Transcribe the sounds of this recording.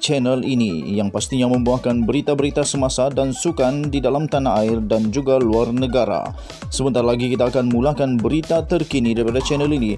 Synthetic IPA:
t͡ʃɛnɛlinḭjaŋpast̪iɲaməmbuahkanbəɾit̪abəɾit̪asəmasadansukandidalamt̪anaaɪrdand͡ʒuɡaluarnəɡaɾa̰ | səbənt̪aɾalaɡikit̪aːkanmulahkanbəɾit̪at̪ərkinidaɾipadat͡ʃɛnɛlini

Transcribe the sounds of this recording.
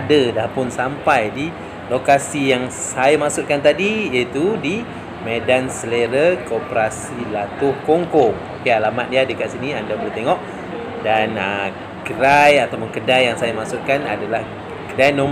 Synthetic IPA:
adədahpʊnsampajdi | lokasijaŋsajamaksʊt̪̚kant̪adijəit̪udi | medansəleɾəkopəɾasilat̪ʊhkoŋkoŋo̰kealamat̪̚iadəkat̪siniandabəlut̪eŋɔʔ̚ | danə | kəɾajat̪awpʊnkədajːaŋsajamaksut̪̚kana̰dalah | kədajnõm

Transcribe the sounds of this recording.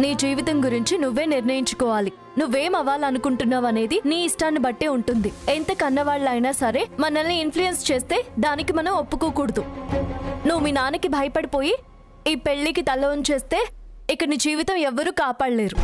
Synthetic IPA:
niːd͡ʒiːʋit̪ɐmɡuɾiɲt͡ʃinuʋːe̞ːniɾnɐjiɲt͡ʃu̥kɔːʋaːli | nuʋːe̞ːmɐʋaːlɐnukuɳʈunːaːʋɐne̞ːd̪iniːsʈaːnːibɐʈːeːuɳʈund̪ient̪ɐkɐnːɐʋaːɭːɐjnaːsɐɾe̞ːmɐnɐlːiːnpʰlujenst͡ʃe̞ːst̪e̞ːd̪aːnikimɐnɐmopːukuːkuːɽɐd̪u | nuʋuminaːnikibʱɐjɐpɐɽipo̞ːji | iːpe̞ɭːikit̪ɐlːɐʋɐnt͡ʃe̞ːst̪e̞ː | ikːɐniːd͡ʒiːʋit̪ɐmɛʋːɐɾuːkaːpaːɽɐle̞ːɾu

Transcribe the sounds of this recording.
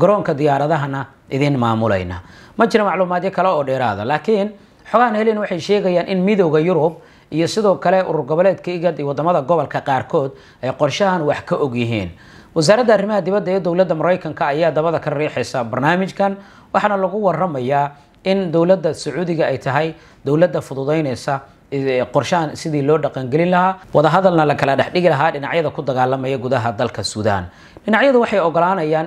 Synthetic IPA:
ɡɐɾɔːŋkʰɐd̪ɪjaːɾɐðɐɦɐnɐ | ʔɪðɪnmaːmʊlɛ̰jnɐ̰ːmɐt͡ʃɪɾɪmɑʕluːmaːd̪jɐkʰɐlɛɔːɖɛːɾa̰ːðɐlaːkʰin | ħɔɣɐhɐnhɛlɪnwɑħɑjʃɛːɣɐjaːnʔɪnmɪðɔwɣɐjʊɾʊb̚ | ʔijɔsɪðɔːkʰɐlɛʔʊ̰ɾʊrɡɔβɐlɛːd̪kʰɐɪɣɐd̪iwɑd̪ɐmɐðɐɡɔβɔlkʰɐqɑːrkʰɔːd̪ | ʔɛjqɔrʃɐɦɐnwɑħkʰɐʔɔɡjɪɦḭːn | wɑs̬aːɾɐd̪ɐːrɪmɐɦɐd̪ɪβɐd̪ːɐɛːd̪ɔwlɐd̪ːɐmʊɾɛjkʰɐŋkʰɐːjaːd̪ɐβɐðɐkʰɐrɛːħɛjsɐbɐrnaːmɪt͡ʃkʰɐn | wɑħɑnɐlɐɣʊwɑrɐmɐjaː | ɪnd̪ɔwlɐd̪ːɐsʊʕuːðɪɣɐɛjt̪ʰɐɦɛj | d̪̥ɔwlɐd̪ːɐfʊðʊðɛjnɛjsɐ | qɔrʃɐɐnsɪðiːlɔːɖɑqɑŋɡɛlɪnlɐɦaːwɑðɐɦɐðɐlnɐlɐkʰɐlɐɖɛħɖɪɣɪlɐɦaːɖɪnɑʕjɐðɐkʰʊd̪ɐɣaːlːɐmɐjɔɡʊðɐɦɐd̪ɐlkʰɐsuːða̰ːn | ɖɪnɑʕjɐðʊwɑħɑjɔɣɔlaːnɐjaːn

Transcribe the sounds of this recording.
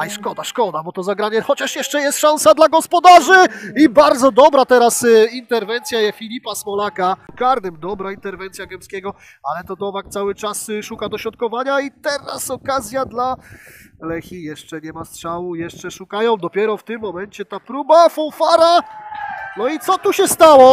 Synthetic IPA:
aiʂkɔd̪aʂkɔd̪abɔt̪ɔzaɡɾaɲɛxɔt͡ɕaʂjɛʂt͡ʂɛjɛst̪ʂãw̃sad̪laɡɔspɔd̪aʐɘibaɾd̪zɔd̪ɔbɾat̪ɛɾasint̪ɛɾvɛnt̪sʲjajɛfʲilʲipasmɔlakakaɾnɘmd̪ɔbɾaint̪ɛɾvɛnt̪sʲjaɡɛmskʲeɡɔ | alɛt̪ɔd̪ɔvak̚t̪sawɘt͡ʂasʂukad̪ɔɕɾɔt̪̚kɔvaɲait̪ɛɾa̰sɔkazʲjad̪la | lɛxʲijɛʂt͡ʂɛɲɛmastʂawujɛʂt͡ʂɛʂukajɔ̃w̃d̪ɔpʲjɛɾɔft̪ɘmːɔmɛɲt͡ɕɛt̪apɾubafɔwfaɾa | nɔit̪sɔt̪uɕɛst̪awɔ

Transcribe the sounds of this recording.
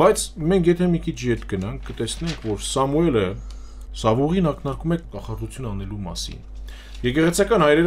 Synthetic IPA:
b̥ɑjt͡sʰmɛŋkʰjɛt̪ʰɛmikʰit͡ʃʰjɛt̪ɡənɑŋkʰːət̪ɛsnɛŋkʰvɔɾsɑmuɛlə | sɑvuʁinɑkʰnɑɾkumɛkɑχɑrut͡sʰjunɑnɛlumɑ̰sḭn | jɛkɛʁɛt͡sʰɑkɑnhɑjɾɛɾ

